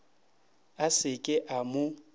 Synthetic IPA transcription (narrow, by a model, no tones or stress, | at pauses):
asɪkʼɪʔamʊ